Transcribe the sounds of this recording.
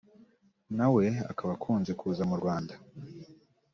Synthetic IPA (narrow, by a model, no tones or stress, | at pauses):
nawe̞a̰kaβakʰuːnze̞kʰuːzamuɾɡwaːnda